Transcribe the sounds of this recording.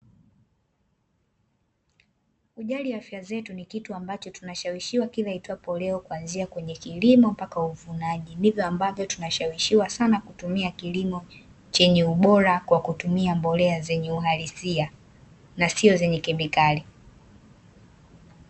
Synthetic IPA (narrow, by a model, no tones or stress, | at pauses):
uʄaliwafjazɛtunikituambat͡ʃɔtunaʃawiʃiwakilahitwapɔlɛɔkuanziakwɛɲɛkilimɔm̩pakauvunaʄindivjɔambavjɔtunaʃawiʃiwasanakutumiakilimɔ | t͡ʃɛɲɛuɓɔɾakwakutumiambɔlɛazɛɲɛuɦalisia | nasiɔzɛɲɛkɛmikali